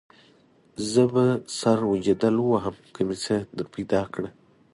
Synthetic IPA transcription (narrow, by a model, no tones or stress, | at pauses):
zəbasaɾwud͡ʒad̪alwaɦəmkʰəmit͡səd̪əɾpajd̪ɑkɽə